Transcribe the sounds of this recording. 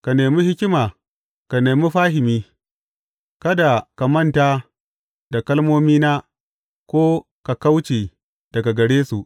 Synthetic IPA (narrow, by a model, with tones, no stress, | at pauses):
ka˨neː˨mi˦hɪ˦kʲɪ˦maː˨ | ka˨neː˨mi˦ɸaː˦hɪ˨miː˦ | kɐ˦da˨ka˨mɐ˦ntaː˦ | da˨kɐ˦lmoː˦miː˦naː˦ | kʷoː˦ | ka˨ka˦wt͡ʃiː˨ | d̥ɐ˨ɡa˨ɡɐ˨ɽeː˦su˨ʔ